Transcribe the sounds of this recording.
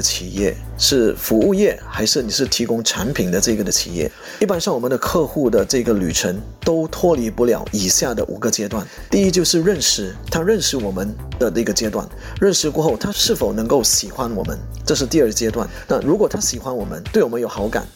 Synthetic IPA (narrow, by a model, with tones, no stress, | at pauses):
t͡ɕʰi˨˩jɛ̰˥˩ | ʂɻ̩˥˩fu˧˥u˥˧jɛ˥˩xa˧˥ɪʂɻ̩˥˩ni˨˩ʂɻ̩˥˩t̪ʰi˧˥kʊ˥ŋʈ͡ʂʰa˧˥npʰi˨˩ŋd̪ə˦ʈ͡ʂɤ˥˩˥ɡə˩d̪ə˨t͡ɕʰḭ˨˩jɛ̰˥˩ | i˥˩pa˥nʂɑ˥˩ŋwɔ˨˩mə˦nd̪ə˧kʰɤ˥˧xu˥˩d̪ə˩ʈ͡ʂɤ˥˩i˥ɡə˧˩ly̰˨˩ʈ͡ʂʰə˧˥ŋ | t̪o˥ʊt̪ʰwɔ˥li˧˥pu˥˩ljɑ̰˨˩˦ʊʔi˨˩ɕja˥˩d̪ə̰˩ʔṵ˨˩ɡə˦t͡ɕjɛ˥t̪wa˥˩n | t̪i˥˧i˥t͡ɕjo˥˧ʊʂɻ̩˥˧ɻə˥˩nʂɻ̩˧˩t̪ʰa˥ɻə˥˧nʂɻ̩˥˩wɔ˨˩mə˦n | d̪ə˨nə˥˧ɡə˨t͡ɕjɛ˥t̪wa̰˥˩n | ɻə˥˩nʂɻ̩˧kwɔ˥˧xo˥˩ʊt̪ʰa˥ʂɻ̩˥˩fo˨˩ʊnɤ˧˥ŋko˥˩ʊɕi˨˩xwa˥nwɔ̰˨˩mə̰˦n | ʈ͡ʂɤ˥˧ʂ̬̩˥˧t̪i˥˧ə˞˥˩ə˩t͡ɕjɛ˥t̪wa̰˥˩nna˥˩ɻu˧˥kwɔ˨˩t̪ʰa˥ɕi˨˩xwa˥nwɔ˨˩mə̰˦nt̪we˥˩wɔ˨˩ə˦njo˨˩ʊxɑ˧˥ʊka̰˨˩˦n